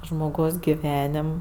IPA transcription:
ʒmoːˈɡɐʊs ɡʲɪˈʋʲæːnʲɪm

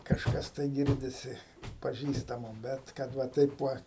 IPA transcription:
kɐʃˈkɐs tɐɪ ˈɡʲɪrʲdʲɪsʲɪ pɐˈʒʲiːstɐmoː ˈbʲɛt kɐt ˈʋɐ ˈtɐɪp ˈʋɐ

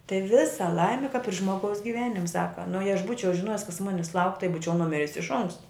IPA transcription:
tɐɪ ˈʋʲɪsɐ ˈlˠɐɪmʲɪ kɐp ɪr ˈʒmoːɡɐʊs ɡʲɪˈʋʲæːnʲɪmʲ ˈsɑːkɐ nʊ jɛɪ ɐʃ ˈbuːt͡ʃʲɛʊ ʒʲɪˈnoːjɪs kɐs ˈmʊnʲɪs lˠɐʊkʲ tɐɪ ˈbuːt͡ʃʲɛʊ nʊˈmʲɪrʲɪs ɪʃ ˈoːŋkstɐ

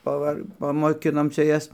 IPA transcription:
pɐˈʋɐr pɐmoːˈkʲɪnoːm ˈt͡ʃʲɛ ˈjɛs

